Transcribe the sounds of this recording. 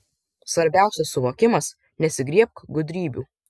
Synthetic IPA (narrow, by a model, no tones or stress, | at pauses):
sʋɐɾʲbʲæˑʊsʲɛsːʊʋoːkʲɪmɐs | nʲɛsʲɪɡɾʲiɛp̚kɡʊd̪ʲɾʲiːbʲuː